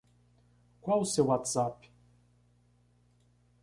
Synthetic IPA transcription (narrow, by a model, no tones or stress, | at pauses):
kʷausɛwat̪zapʰʼ